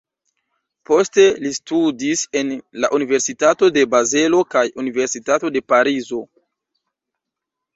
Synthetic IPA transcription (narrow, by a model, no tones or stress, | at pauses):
po̞ste̞listudise̞nlaʔunive̞ɾsitato̞de̞baze̞lo̞kajunive̞ɾsitato̞de̞paɾizo̞